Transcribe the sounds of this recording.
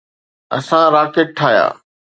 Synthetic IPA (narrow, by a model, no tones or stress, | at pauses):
ɐ̰sãɾaːkeʈ̚ʈʰːaːja̰ː